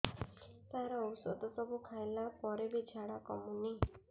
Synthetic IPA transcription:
t̪aɾɔɔwsɔ̰d̪ʱɔsɔbukʰajlapɔɾebid͡ʒʱaɽakɔmuni

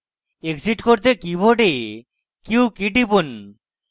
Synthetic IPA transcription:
eksiʈkoɾt̪̬ekibʱoɖe | kiwkiʈipun

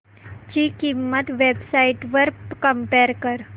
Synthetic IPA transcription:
d͡ʑiːkimːət̪ʋebsaiʈʋəɾkəmpeɾkəɾ

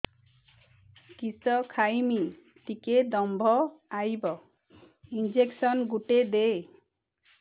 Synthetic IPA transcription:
kisɔkʰajmi | t̪iked̪ɔmbʱɔajbɔ | ind͡ʒeksɔnɡuʈed̪e

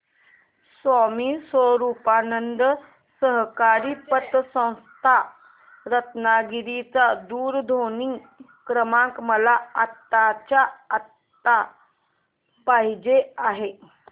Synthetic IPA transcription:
sʋamiːsəɾupanənd̪ | səɦkaɾiːpət̪ːsə̃w̃st̪ʰa | ɾət̪naɡiɾit͡sad̪uːɾd̪ʱoni | kɾəmãkməlaat̪ːat͡ɕaat̪ː | a | paɦid͡ʑeaɦe

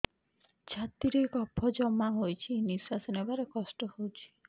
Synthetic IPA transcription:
t͡ʃʰat̪iɾejkɔpʰːɔd͡ʒɔmːaɦojt͡ʃʰiniswasɔnebaɾekɔsʈɔhowt͡ʃʰi̥

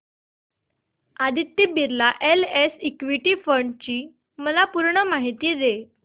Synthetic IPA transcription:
ad̪ʱit̪ːibiɾlaʔelesikʋiʈiːfəɾɳɖt͡ɕiː | məlapuɾɳəmaɦit̪iːd̪e

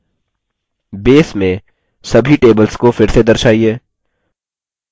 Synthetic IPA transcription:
beːsmẽ | sɐbʱiʈeːbəlskofɪɾsed̪ɐɾʃaːieː

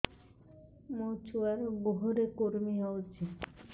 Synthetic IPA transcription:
mot͡ɕuaɾɡoɦoɾekoɾmiɦɔot͡ɕʰi

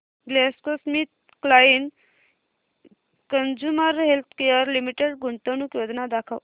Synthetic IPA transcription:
ɡleskosmit̪̚ | klain | kənd͡ʒuməɾɦelt̪ʰkejəɾlimiʈeɖɡuɳʈ̪ənukjod̪nad̪akʰəw

